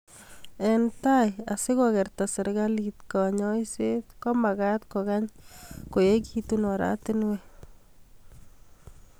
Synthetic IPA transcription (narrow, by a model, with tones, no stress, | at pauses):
ɛ˨nt̪aja˨sɪ˦kɔɣɛ˨ɾt̪a˨sɪ˨ɾɣa˦lit̪kɔ˨ɲɔ˦jset̪kɔ˦ma˨ɣa˦t̪kɔɣa˦ɲko˨jekit̪unɔ˨ɾa̰t̪ɪnwɛ